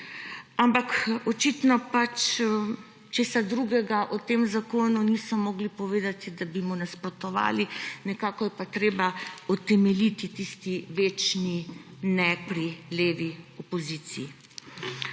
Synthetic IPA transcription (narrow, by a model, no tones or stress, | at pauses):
ampakɔt͡ʃit̪nɔpat͡ʃː | t͡ʃeːsad̪ɾuɡɛɡaʔɔt̪emzakoːnuniːsɔmɔɡlipɔʋeːd̪at̪id̪abimɔnaspɾɔt̪ɔʋa̰ːlinɛkaːkɔjɛpat̪ɾeːbaɔt̪ɛmɛlit̪it̪ist̪iʋeːt͡ʃninɛpɾileːʋiɔpɔziːt̪siː